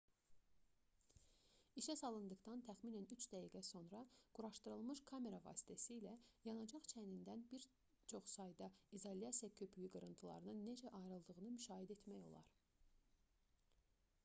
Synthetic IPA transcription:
iʃæsɑlˠɯnd̪ɯχt̪ɑnt̪ʰæxminænyt͡ʃd̪æɦiɡæso̞nɾɑɡ̥uɾɑʃt̪ɯɾɯlˠmɯʃkʰɑme̞ɾɑvɑ̰ːsi̥t̪ʰæsiːlæjɑnɑd͡ʒɑχt͡ʃʰænind̪ænbiɾ | t͡ʃʰo̞χsɑjd̪ɑizolʲijɑsijɑkʰø̞pʰyjyɡɯɾɯnt̪ʰɯlˠɑ̰ɾɯnɯnːe̞d͡ʒæʔɑjɾɯlˠd̪ɯʁɯnɯmyʃɑːhid̪e̞t̪mæjo̞̰lˠɑ̰ɾ

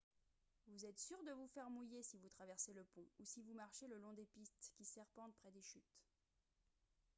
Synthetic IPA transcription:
vuzɛt̪syʁd̪əvufɛʁmujesivut̪χavɛʁseləpɔ̃usivumaʁʃeləlɔ̃d̪epist̪kʲisɛʁpɑ̃t̪̚pχɛd̪eʃyt̪

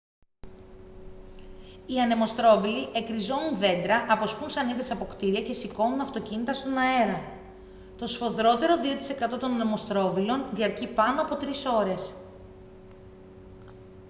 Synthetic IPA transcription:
iɐne̞mo̞st̪ɾo̞viliʔe̞kɾizo̞nunðe̞nd̪ɾɐʔɐpo̞spunsɐniðɐsɐpo̞kt̪iɾiɐce̞siko̞nunɐft̪o̞cinit̪ɐst̪o̞nɐe̞ɾɐ | t̪o̞sfo̞ðɾo̞t̪e̞ɾo̞ðio̞t̪i̥se̞kɐt̪o̞t̪o̞nɐnemo̞st̪ɾo̞vilo̞nðiɐɾcipɐnoɐpo̞t̪ɾiso̞ɾe̞s

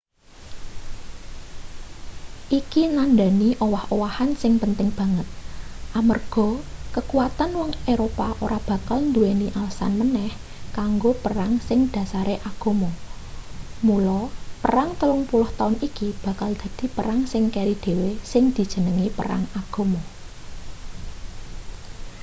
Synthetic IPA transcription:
ʔikinanɖaniʔowahowahansɪŋpənt̪ɪŋb̥ä̤ŋət̪̚ʔamərɡ̥ɔ̤kəkuwat̪anwɔŋeɾopaʔoɾab̥ä̤kalnd̪ueniʔalsa̰nmənɛh | kaŋɡopəɾaŋsɪŋd̪̥ä̤saɾeʔaɡ̥o̤mɔ | mulɔpəɾaŋt̪əlʊŋpulʊht̪aʊnikib̥a̤kald̪̥a̤d̪̥i̤pəɾaŋsɪŋkɛɾid̪̥e̤wesɪŋd̪̥i̤d̥ʒ̥ə̤nəŋipə̰ɾa̰ŋaɡ̥o̤mɔ

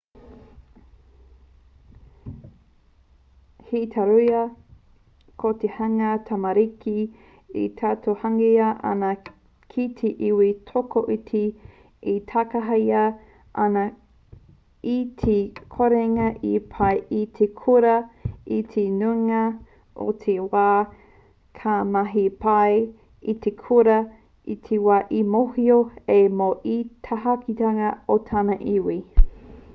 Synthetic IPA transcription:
hitʰɐɾujɐ | kʰot̪ehɐŋɐt̪ʰɐmɐɾikʰi | ḭt̪ʰatʰohɐŋiɐʔɐ̰nɐ | kʰit̪ʰeʔiwitʰokoʔitʰi | it̪ʰɐkɐɦɐjɐ | ʔɐnɐ | itʰekʰoɾeŋɐʔipʰɐjʔitʰekʰuɾɐitʰenuŋɐ | ʔo̰t̪ʰewaː | kʰamɐɦipɐj | it̪ekʰuɾɐ | itʰewaːʔimohioemoʔitʰɐɦɐkʰitɐŋɐotʰanɐʔiwi

